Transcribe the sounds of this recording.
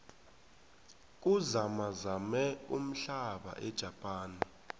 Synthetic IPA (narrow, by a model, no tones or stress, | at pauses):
k̬ʼuzamazamɛum̩ɬaɓa̰ʔɛd̥ʒ̥ʱapʼaːni